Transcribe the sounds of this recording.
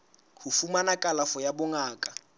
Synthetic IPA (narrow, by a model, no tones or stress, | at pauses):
hufumanakʼalafɔjabʊŋaːkʼa